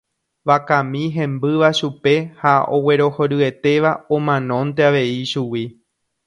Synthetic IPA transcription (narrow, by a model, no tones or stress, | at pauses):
ʋakãmĩɦẽ̞mbɨʋaʃupe̞hao̞̰we̞ɾo̞hoɾɨe̞t̪e̞ʋaõmãnõ̞nt̪̬e̞aʋe̞iʃuwi